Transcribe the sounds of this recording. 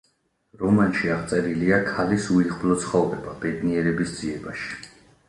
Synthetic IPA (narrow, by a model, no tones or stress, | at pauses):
ɾɔmanʃiaʁt̪sʼɛɾiliakʰalisuiχlɔt̪sʰχɔvɾɛbabɛd̪niɛɾɛbisd̪z̥iɛbaʃi̥